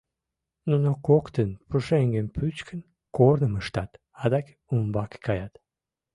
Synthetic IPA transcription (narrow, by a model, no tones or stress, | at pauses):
nunokokt̪ənpuʃeŋɡənpʰyt͡ɕkʰən | kornəməʃt̪ɑt̪ | ɑd̪ɑk | umbɑkkɑjɑt̪